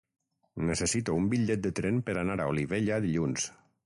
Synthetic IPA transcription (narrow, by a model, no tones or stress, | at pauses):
nesesit̪oumbiʎːɛt̪̚d̪ət̪ɾɛmpəɾanaɾaoliβeʎaðiʎuns